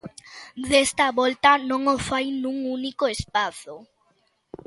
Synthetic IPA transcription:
ðest̪aβolt̪anõŋofajnũŋunikoespaθo

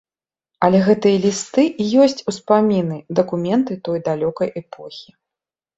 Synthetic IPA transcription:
ɐlʲɛɣɛt̪ɨjɐlʲist̪ɨʔijɔsʲt͡sʲuspamʲinɨd̪ɐkumʲɛnt̪ɨt̪ɔjd̪alʲɔkɐjʔɛpʰɔ̰xʲi

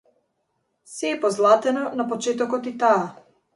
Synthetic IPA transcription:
sɛːpɔzlˠat̪ɛnɔnapɔt͡ʃɛt̪ɔkɔt̪it̪aː

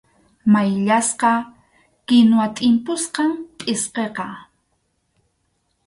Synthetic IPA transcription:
majʎasqɑ | kɪnwat̪ʼɪmpʊsqɑmpʼɪsqeqɑ

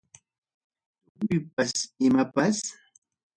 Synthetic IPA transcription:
ʎʊjp̚asɪmapas

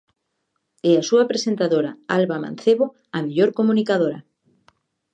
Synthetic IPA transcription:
ɛasuapɾesent̪aðoɾaalβamã̰nθeβo | ameʎoɾkomunikaðoɾɐ

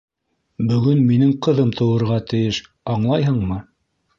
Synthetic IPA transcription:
bɵ̆ɡɵnminɘŋqɤ̆ðɤmt̪ʰɤ̆wɤ̆ɾʁɑt̪ɘ̆jɘʃ | ɑɴlˠɑjɦɤɴmɤ

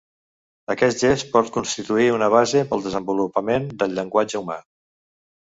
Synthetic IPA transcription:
əkɛsʒespɔt̪̚kunst̪it̪uiunəβ̞azepəlˠd̪əzəmbulupəmend̪əlʎːəŋɡwad͡ʒəuma̰

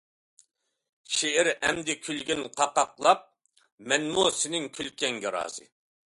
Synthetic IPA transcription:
ʃeɛɾɛmd̪ɪkʲʰylɡʲinqʰɑqɑqlˠɑp̚ | mɛnmosɪnɪŋkʲʰylkʲɛŋɡʲɛɾɑ̰ːzɨ̰

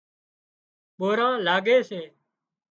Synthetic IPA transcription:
ɓoːɾãːlaːɡeːseː

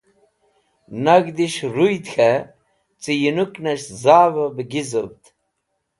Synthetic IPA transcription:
naɡd̪iʃɾujt̪xʰa | t͡sijinuknɐʃzaːvɐbəɡizəbt̪

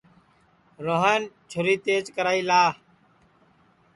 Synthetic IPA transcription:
ɾoːɦant͡ʃʰʊɾiːt̪eːt͡ʃkəɾaːiːlaː

